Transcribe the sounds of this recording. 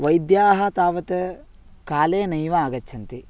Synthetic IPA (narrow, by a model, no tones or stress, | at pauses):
ʋɐjd̪jaːɦɐt̪aːʋɐt̪ɐ | kaːleːnɐjʋɐaːɡɐt͡ʃːʃʰɐnt̪i